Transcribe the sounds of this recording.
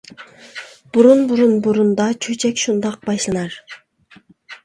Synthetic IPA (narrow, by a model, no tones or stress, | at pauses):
b̥uɾunbuɾunbuɾund̪ɑt͡ʃʰøt͡ʃʰekʲʃund̪ɑq̚bɑjʃlˠɑnɑɾ